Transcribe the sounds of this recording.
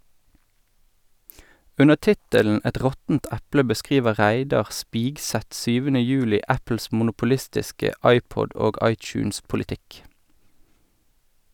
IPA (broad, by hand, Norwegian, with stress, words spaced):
ˈʉnə ˈtɪtəln̩ ˈɛt ˈʁɔtn̩t ˈɛplə bəˈskʁiːʋə ˈʁæɪdɑʁ ˈspiːɡˌsɛt ˈsyːʋənə ˈjʉːlɪ ˈæpl̩s mʊnʊpʊˈlɪstɪskə ˈɑɪˌpɔd ˈoːɡ ˈɑɪˌt͡ʃʉːnspʊlɪˌtɪk